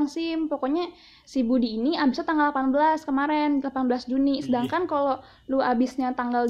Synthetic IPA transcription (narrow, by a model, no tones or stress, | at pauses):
ŋsɪmpokoɲa | sibudiːniabisat̪aŋɡalapanbəlaskəmaɾɛnlapanbəlasd͡ʒunisədaŋkankalo | luabisɲat̪aŋɡal